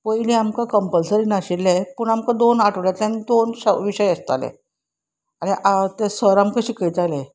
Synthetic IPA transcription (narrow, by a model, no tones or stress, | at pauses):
pəjlẽamkakəmpəlsəɾiːnaɕilːɛpəɳamkad̪onaʈʰəʋljat̪ãnid̪onɕəʋiɕəjəst̪a̰lḛ̃ | añiʔat̪esəɾamkəɕiːkəjt̪ale